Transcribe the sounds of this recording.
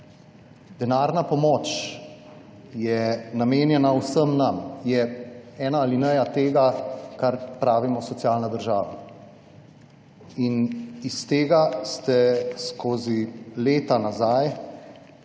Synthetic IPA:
d̪̥ɛnaːɾnapɔmɔːt͡ʃ | jɛnameːnjɛnawsəmnamjɛɛːnaːlinəjat̪eːɡakaɾpɾaːʋimɔsɔt̪sjaːlnad̪əɾʒaːʋa | inist̪eːɡast̪ɛskʰoːzileːt̪anazaj

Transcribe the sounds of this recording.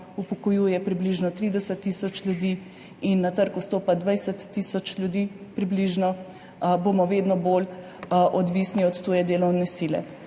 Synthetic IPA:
upɔkɔjuːjɛpɾibliʒnɔt̪ɾiːd̪ɛsət̪ːisɔt͡ʃljud̪iː | inːat̪əɾkust̪oːpad̪ʋajsət̪ːisɔt͡ʃlʲjud̪iːpɾibliʒnɔ | bomɔʋeːd̪nɔbol | ʔɔd̪ʋiːsniɔt̪ːuːjɛd̪eːlɔwnɛsiːlɛ̰

